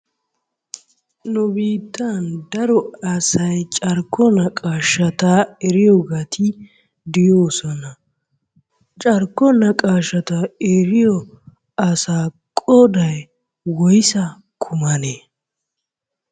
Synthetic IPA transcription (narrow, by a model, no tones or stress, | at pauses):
nʊbiːt̪ːɐnd̪ɐɾɔɐsɐjt͡ʃʼɐɾkːɔnɐkʼaːʃɐt̪aːɛɾɪjɔɡɐt̪ʰɪ | d̪ɪjoːsɔnɐ | t͡ʃʼɐɾkːɔnɐkʼaːʃɐt̪aeɾɪjɔ | ɐsaː | kʼɔd̪ɐj | wɔjɪsɐ | kʰʊmɐneː